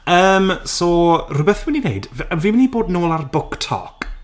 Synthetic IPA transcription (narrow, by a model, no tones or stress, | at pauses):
əːmsoːrʊbɛθwɛnineɨdvəvimniboːdnoːlˠarbʊktʰɔ̰ːk